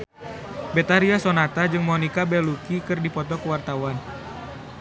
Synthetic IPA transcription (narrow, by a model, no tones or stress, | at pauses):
bɛt̪aɾiasɔnat̪ad͡ʒɨŋmɔnikabɛlukikɨrdipɔt̪ɔkəwart̪awan